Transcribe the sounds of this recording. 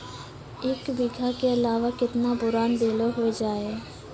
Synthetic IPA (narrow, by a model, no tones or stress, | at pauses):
ɪkbɪɡʱakeɐlaːʋakɪt̪napʊɾaːnb̪eːloɦoed͡ʒaːe